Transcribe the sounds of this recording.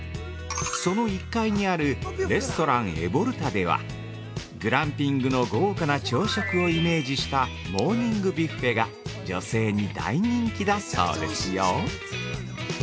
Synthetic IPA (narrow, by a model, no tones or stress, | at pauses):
so̞no̞ikːaiɲ̟iaɾɯ̟ɾe̞sɨ̥t̪o̞ɾãɰ̃e̞̰bo̞ɾɯ̟t̪ad̪e̞β̞a̰ | ɡɯ̟ɾãmpʲĩŋɡɯ̟no̞ɡo̞ːkanat͡ɕo̞ːɕokɯ̟o̞ime̞ːd͡ʑiɕi̥t̪a | mo̞ːɲ̟ĩŋɡɯ̟bʲiɸe̞ɡa | d͡ʑo̞se̞ːɲ̟id̪a̰iɲ̟ĩŋkʲid̪aso̰ːd̪e̞̰sɨjo